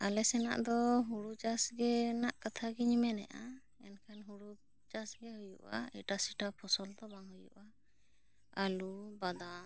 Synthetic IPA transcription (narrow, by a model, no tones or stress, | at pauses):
alɛsɛna̰ʔd̪ɔɦuɽud͡ʒasɡɛnaʔkat̪ʰaɡɛɲimɛnɛʔa | ɛnkʰanɦuɽu | d͡ʒasɡɛɦujṵʔa̰ɛʈasiʈapʰɔsɔld̪ɔbaŋɦujṵʔa | alubad̪a